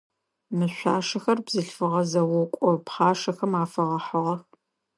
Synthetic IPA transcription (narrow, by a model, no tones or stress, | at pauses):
mɨɕʷaːʂɐxɐrbzɨɬfɨʁɐzɐwʊkʷʼɔpχɑːʂɐxɐmaːfɐʁɐħəʁɐx